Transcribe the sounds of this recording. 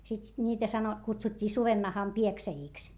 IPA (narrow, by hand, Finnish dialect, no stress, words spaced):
sit nʲiːtæ sɑno kutsutʲːiː suʋenːɑhɑm pieksæjiˑks